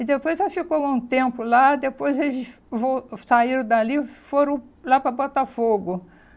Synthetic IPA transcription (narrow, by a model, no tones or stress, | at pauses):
ɪd̪epojzɛfikow̃ũt̪ẽmpʊlad̪epojzelɪs | võsaiɾɐ̃d̪alifoɾɐ̃w̃lapɾɐbɔt̪afoɡʊ